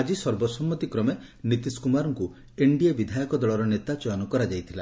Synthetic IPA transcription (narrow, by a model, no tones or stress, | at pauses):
ad͡ʒisɔɾbɔsɔmːɔt̪ikɾɔme | nit̪iskumaɾɔŋku | eɳɖiebid̪ʱajɔkɔd̪ɔɭɔɾɔnet̪at͡ʃɔjɔnɔkɔɾad͡ʒajt̪ʰila